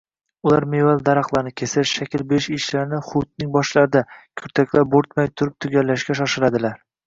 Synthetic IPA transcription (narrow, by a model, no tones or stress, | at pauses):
ʊlaɾmevald̪aɾɑχlˠaɾnɪkʲʰesɪɾʃakʲɪlbeɪʃɪʃlaɾnɪχʊt̪̚nɪŋbɒʃlaɾɪd̪akʲʰɵɾt̪ʰakʲlaɾboɾt̪majt̪ʰʊɾɪp̚t̪ʰʊɡʲalːaʃkʲaʃ̬ɒʃɪlad̪ɪlaɾ